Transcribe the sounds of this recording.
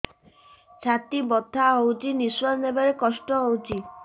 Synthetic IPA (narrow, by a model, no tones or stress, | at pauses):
t͡ʃʰat̪ibɔd̪ʱːaɦowt͡ʃʰiniswɔɾnebaɾekɔsʈɔɦowt͡ʃʰi